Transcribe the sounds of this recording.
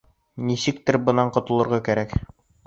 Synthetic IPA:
nisɘkt̪ɘɾbɤ̆nɑɴqŏt̪ɤ̆lˠɤ̆ɾʁɑkæɾæk

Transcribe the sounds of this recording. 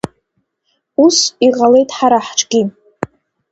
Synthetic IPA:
usiʁale̞jtʼħaɾaħʈ͡ʂʰʼɡʲi

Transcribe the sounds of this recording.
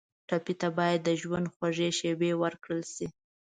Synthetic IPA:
ʈapit̪abɑjad̪ːəʒwand̪xwaʒeʃewewəɾkɽəlsi

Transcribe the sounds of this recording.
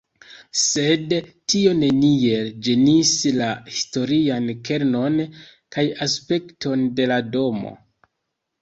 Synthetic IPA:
se̞dtio̞ne̞nie̞ld͡ʒe̞nislahisto̞ɾianke̞ɾno̞n | kajaspe̞ktʰo̞nde̞lado̞mo̰

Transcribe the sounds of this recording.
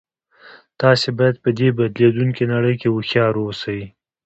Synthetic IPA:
t̪ɑsebɑjad̪̚pəd̪ebad̪led̪uŋkenaɽəjkewʊxjɑɾosawi

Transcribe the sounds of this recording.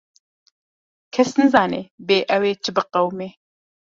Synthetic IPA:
kʰɛsnɨzaːneːbeːʔɛweːt͡ʃʰɨbɨqɐwmeː

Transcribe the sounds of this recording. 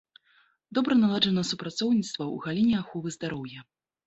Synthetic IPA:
d̪ɔbɾɐnalˠad͡ʐɐnɐsupɾat̪sɔwnʲit̪st̪vɐṵɣalʲinʲɛaxɔvɨzd̪aɾɔwjɐ

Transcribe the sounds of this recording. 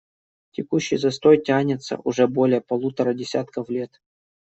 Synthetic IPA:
tʲɪkuɕːɪjzɐst̪o̞jtʲanʲɪt̪sə̰ʔʊʐɛbo̞lʲɪjəpɐlˠut̪əɾədʲɪsʲat̪kəflʲe̞t̪

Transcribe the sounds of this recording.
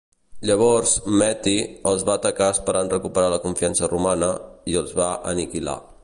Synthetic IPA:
ʎəβ̞ɔɾzmɛt̪iəlˠzβaət̪əkaəspəɾanrəkupəɾaləkuɱfiansərumanəiəlˠzβaʔə̰nikila̰

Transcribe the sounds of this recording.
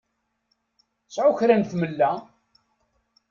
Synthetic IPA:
sʕʊçɾænθməlːæ

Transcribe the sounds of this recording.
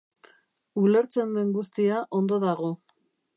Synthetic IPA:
ule̞ɾt͡se̞nd̪e̞ŋɡust̪iaʔo̞nd̪o̞ðaɣo̞

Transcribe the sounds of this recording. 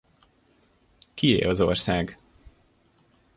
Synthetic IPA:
kiḛːlɒzo̞̰rsaːɡ

